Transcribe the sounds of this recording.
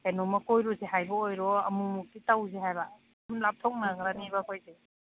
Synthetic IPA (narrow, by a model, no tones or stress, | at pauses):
enɔmakojɾɔzeɦajbɐojɾɔɐmumuk̚ːitawzeɦajba | mlap̚tʰɔk̚naɡɾanibakojze